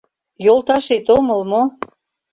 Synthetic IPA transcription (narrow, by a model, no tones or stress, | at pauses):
jolˠt̪ɑʃet̪omə̆lmo